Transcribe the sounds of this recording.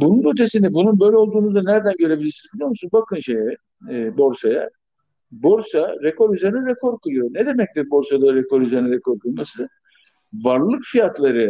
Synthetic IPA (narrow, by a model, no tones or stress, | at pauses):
bununøt̪ʰesind̪ɛbununbø̞jlʲɛo̞lˠd̪uːnuzd̪anæɾd̪ænɟø̞ɾe̞bilʲiɾsinbilʲijo̞musunbakʰɯnʃejɛː | bo̞ɾsaja̰ | bo̞ɾsaɾekʰo̞ɾyze̞ɾinɛɾekʰo̞ɾkʰɯlˠɯjo̞ɾnɛd̪e̞mɛc̚t̪ʲibo̞ɾsad̪aɾekʰo̞ɾyzeɾinɛɾɛkʰo̞ɾkʰɯlˠmasɯ | vaɾlˠɯkfijat̪lˠaɾɯ